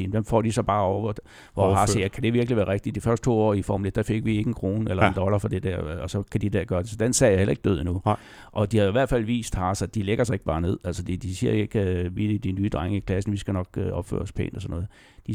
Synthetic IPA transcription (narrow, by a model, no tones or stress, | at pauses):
mʋemfɒ̰ːd̥isɒ̽b̥ɑ̈ːɒʊ̰ɐʋ | ʋɒɦɑsjækʰæd̥e̝ʋiɐɡ̥liʋæːɐʁeɡ̥̚d̥id̥ifɶɐsd̥t͡sʰo̝̰ːɒ̰ːifɒːmuled̥d̥æfe̝ɡ̥ʋie̝ɡ̥əenkʰʁo̝̰ːnelɐeend̥ɒ̽lɐfɒ̽d̥ed̥æɐ̰ɒsɒ̽kʰæd̥id̥æɐɡ̥ɶːɐd̥e̝sɒ̽d̥ensɛjahelɐe̝ɡ̥̚d̥øð̞̰ˠinu | ʔɒ̽d̥ihɑ̈joiʋæɐ̰d̥fæl̰ʋḭːsd̥hɑ̈sɑd̥ileɡ̥ɐsɑ̈e̝ɡ̥b̥ɑ̈ːne̝ð̰ˠæl̰səd̥ed̥isiɐ̰jeɡ̥ʋiid̥inyːd̥ʁaŋəikʰlæsn̩ʋisɡ̥ænɒ̽ɡ̥øɒ̽b̥fø̰ːɐspʰḛːnlɒsɒ̽nɔ̽ːð̩ˠ | d̥i